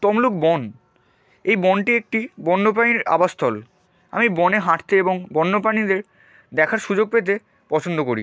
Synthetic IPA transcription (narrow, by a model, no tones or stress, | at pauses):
t̪ɔmluk̚bɔn | ejbɔnʈiek̚ʈibɔnːopainiɾa̰bast̪ʰɔl | a̰mibɔneɦaʈt̪eeboŋbɔnːopanid̪eɾ | d̪ɛkʰaɾʃud͡ʑoɡ̚pet̪̬e | pɔt͡ɕʰond̪okoɾḭ